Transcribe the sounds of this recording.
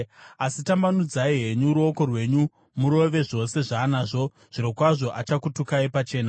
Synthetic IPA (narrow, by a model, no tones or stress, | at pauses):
asitambanud͡zaiɦe̞ɲuɾuoko̞rwe̞ɲu | muɾo̞ʋe̞ʐo̞se̞ʐanaʐo̞ | ʐ̥iɾokwaʐo̞ʔat͡ʃakutukaipat͡ʃe̞ːna